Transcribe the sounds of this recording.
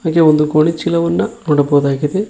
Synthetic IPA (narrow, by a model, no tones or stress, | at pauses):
aːɡeɔnd̪ukoːɳit͡ʃːilɐʋɐnːɐnoːɽɐboːðaːɣiðe